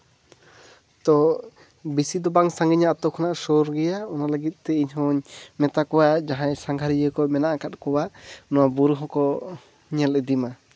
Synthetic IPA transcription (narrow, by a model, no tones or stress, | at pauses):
t̪ɔ | bisid̪ɔbaŋsaŋɡiɲaːt̪ɔkʰɔnaʔsɔɾɡɛjaɔnaləɡit̪̚ˀt̪ɛiɲhɔɲmɛt̪akɔwad͡ʒaɦãɛsaŋɡʱaɾijəkɔmɛnaʔakat̪̚kɔwanɔwabuɾuɦɔ̃kɔ | ɲɛlɛd̪ima